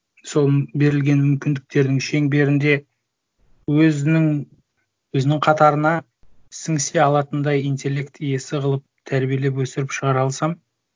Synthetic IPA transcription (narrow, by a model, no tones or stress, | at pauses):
so̞lˠbe̞ɾɪlɡʲe̞nmʏmkʲɪnd̪ɪk̚t̪e̞ɾd̪ɪŋʃe̞ŋbe̞ɾɪnd̪e̞ | wɵzɪŋ | wɵzɪnɪŋqʰɑt̪ɑɾənɑ | sɪŋseɑlˠɑt̪ənd̪ɑjijnt̪ʲe̞lʲːe̞kt̪je̞sɪʁəlˠəp̚t̪ʰæɾbije̞le̞p̬wɵsɪɾɪpʃəʁɑɾɑlˠsɑm